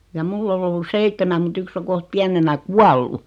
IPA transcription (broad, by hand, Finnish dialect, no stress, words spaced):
jɑ mulː ol olːus seitːemæm mut yks o koht piænenæ kuɑlːu